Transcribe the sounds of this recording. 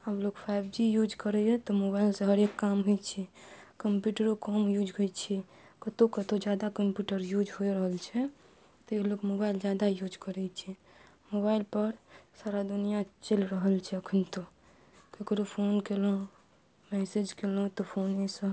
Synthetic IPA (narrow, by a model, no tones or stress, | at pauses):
əblokpʰajbd͡ʒijud͡ʒkəɾɛjɔt̪ɔmobailsə̃ɦəɾekːamɦot͡ʃʰɛkəmpjuʈəɾokɔmjud͡ʒɡojt͡ʃʰɛ | kət̪okət̪od͡ʒjad̪akəmpjuʈəɾjud͡ʒɦojɾəɦəlt͡ʃʰɛ | t̪ɔelokmobaild͡ʒad̪ajud͡ʒkəɾɛt͡ʃʰɛ | mobailpəɾsaɾad̪unijat͡ʃelɾəɦəlt͡ʃʰɛəkʰənt̪o | kekɾopʰonkelɔ̃ũ | mɛsed͡ʒkelɔũt̪ɔpʰonesə